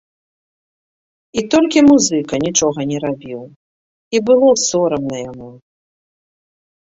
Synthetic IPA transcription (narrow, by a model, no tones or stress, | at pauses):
it̪ɔlʲkʲimuzɨkɐnʲit͡ʂɔɣɐnʲɛɾabʲiw | ibɨlˠɔsɔɾɐmnɐjamu